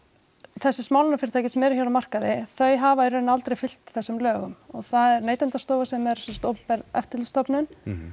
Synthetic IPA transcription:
θɛsːɪsmaːwlnafɪɾɪt̪ʰaːjcɪsɛmɛːɾʏçawlamar̥kaðɪθœɥjɦavaɛɾɾʏnalt̪ɾejfɪl̥t̪θɛsːɪmlœːɣʏmɔɣθaðɛɾneːjt̪ɛnt̪ast̪oːwvasɛmɛɾ̥sɛnsḁt̪owppɛɾɛ̰ft̪ɪlst̪ɔpnʏn

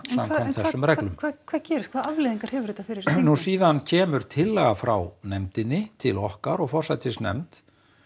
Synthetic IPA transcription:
samkamθɛsːʏmɾɛklʏmakʰvaːðcɛːɾɪst̪kvaːðavlɪðiŋkaɾ̥hɛvʏɾɪt̪afɪɾɪɾnusiːðancʰɛːmʏɾ̥t̪ʰɪlːɛɣafɾa̰wnɛmt̪ɪnːɪt̪ʰɪlɔhkaɾɔɣfɔr̥sajt̪ɪsnɛ̰mt̪

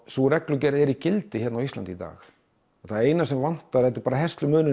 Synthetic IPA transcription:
suɾɛklʏcɛːɾðɛɾicɪlt̪ɪçɛtnawist̪ant̪iːt̪a̰ːx | θaðɛɾeːjnasɛmvan̥t̪aɛt̪ɪɾpaːɾaɦɛst̪lʏmʏːnɪ

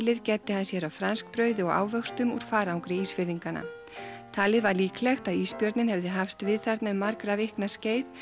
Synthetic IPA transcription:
lɪɾcɛːt̪ːɪhansjɛɾawfɾanskpɾœːɥðɪɔɣa̰ːwvœxst̪ʏmṵɾ̥faːɾawŋkɾɪiːsfɪɾðiŋkana̰ | t̪ʰaːlɪðvaɾliːklɛxt̪aðiːspjœɾt̪nɪnhɛvðɪɦafst̪vɪðθaɾt̪naʏmːaɾkɾavɪhknasceːjð

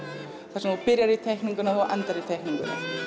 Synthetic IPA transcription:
θḁsmapɪɾjaɾɪt̪ʰejkniŋkʏnaðɔɣʔa̰nt̪aɾɪt̪ʰejkniŋkʏnːa̰

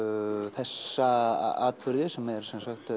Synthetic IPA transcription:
θɛsːa̰aːt̪̚pʏɾðɪsɛmɛɾ̥sɛnsaxt̪

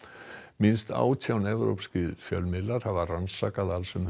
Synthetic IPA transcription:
mɪnst̪a̰ːwt̪ʰjawnɛvɾo̰wpscɪðfjœ̰lmɪlːaɾ̥havaransaːkaðalsʏm

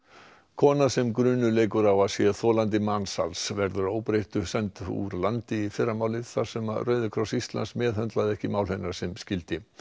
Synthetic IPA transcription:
kʰɔːnasɛmkɾʏːnʏleːjkʏɾawaðsjɛθɔːlant̪̬ɪmansa̰lsvɛɾðʏɾoːwpɾejht̪ʏsɛnt̪ṵɾlant̪ɪifɪrːamaːwlɪθaɾ̥sɛmaðrœːɥðʏkʰɾɔsist̪la̰nsmɛːðhœnt̪laðɪɛhcɪmaːwlhejnːaɾ̥sɛmscɪlt̪ɪ

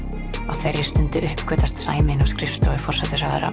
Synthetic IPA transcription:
a̰wθeɾjɪ̥st̪ʏnt̪ɪʔʏhpkʰvœːt̪ast̪saːjmɪnawskɾɪft̪ɔɪ̥fɔr̥sɛt̪ʏsaːða̰ɾa̰

